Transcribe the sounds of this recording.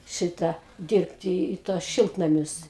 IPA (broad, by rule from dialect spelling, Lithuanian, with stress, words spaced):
ˈʃʲɪtɑː ˈdʲɪrʲpʲtʲɪ ɪ ˈtuɔs ˈʃʲɪlˠtnɐmʲʊs